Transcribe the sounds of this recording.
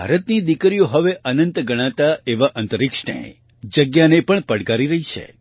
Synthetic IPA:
bʱa̰ɾət̪nid̪ikɾijoɦəʋeʔənənt̪ɡəɽ̃ãt̪aeʋaʔə̃nt̪əɾɪkʂɳə̰j | d͡ʒəɡjanepəɳpəɽɡaɾiɾəɦit͡ʃʰḛ

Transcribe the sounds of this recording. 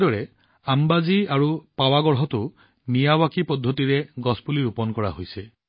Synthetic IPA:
dɔɹɛ | ambaziaɹupawaɡɔɹɦɔtʊ | nijawakipɔdʱːɔtiɹɛɡɔspuliɹupɔnkɔɹa̰ɦojsɛ

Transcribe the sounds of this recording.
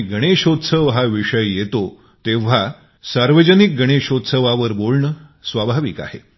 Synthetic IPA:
ɡʱəɽ̃eɕot̪səʋɦaʋiʂəjːet̪o | t̪eʋ̤a | saɾʋəd͡ʑənik̚ɡʱəɽ̃eɕot̪səʋaʋəɾbolɳəsʋabʱaʋika̰ɦe

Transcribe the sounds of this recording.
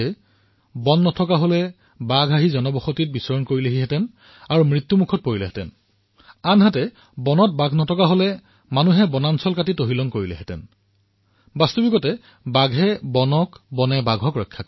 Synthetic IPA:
ɛ | bɔnːɔtʰɔkaɦolɛ | baɡʱaɦizɔnɔbɔxotit̚bisɔɹɔnkoɹilɛɦiɦɛtɛn | aɹumɹit̪ːumukʰɔt̚poɹilɛɦɛtɛn | anɦatɛ | bɔnɔt̚baɡʱnɔtʰɔkaɦolɛ | manuɦɛbɔnansɔlkatitoɦilɔŋkoɹilɛ̰ɦɛtɛ̰n | bastubikɔtɛ | baɡʱɦɛbɔnɔkbɔnɛbaɡʱɔkɹɔjkʰːak

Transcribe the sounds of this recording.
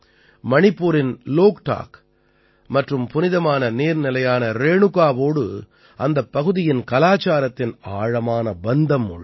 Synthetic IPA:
mɐɳɪpːuːɾɪnloːkʈa̰ːk | mɐʈrɯmpʊnɪðɐmaːnɐneːɾnɪlɐjaːnɐɾeːɳɯɣaːʋoːɽɯ | ʔɐnd̪ɐpːɐɣɯðɪjɪnkɐlaːt͡ʃːaːɾɐt̪ːɪnaːɻɐmaːnɐbɐnd̪ɐmːʊɻ

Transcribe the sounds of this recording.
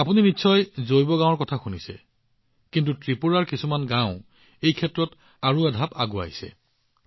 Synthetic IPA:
apuninitːsʰɔjzojbɔɡãw̃ɔɹkɔtʰaxunisɛ̰ | kint̬utɹipuɹaɹkisumanɡãʊ̃ | ejkʰɛtɹɔt | aɹuadʱapa̰ɡua̰jsɛ̰

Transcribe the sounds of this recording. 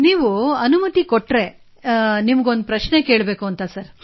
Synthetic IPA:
niːʋuɐnumɐt̪ikoʈːɾe̞ | nimɐɡo̞nd̪upɾɐʃneke̞ːɭbe̞ːkuɐnt̪ɐsɐɾ

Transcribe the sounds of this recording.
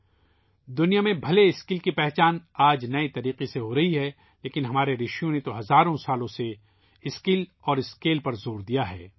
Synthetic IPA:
d̪ʊnijamẽbʱɐleɪskɪlkipɛɦt͡ʃaːnaːd͡ʒnɐit̪ɐɾiːqeseɦoɾɐɦiɦɛ | leːkɪnɦɐmaːɾeɾɪʃijõnet̪oɦɐzaːɾõsaːlõse | ɪskɪlɔːɾɪskeːlpɐɾzoːɾd̪ijaɦɛ̰ː

